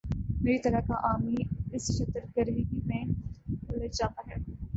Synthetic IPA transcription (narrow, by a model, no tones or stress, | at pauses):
meːɾit̪ɐɾakaʔaːmiɪsʃɐt̪əɾkəɾiɦimẽkoːled͡ʒaːt̪aːɦɛː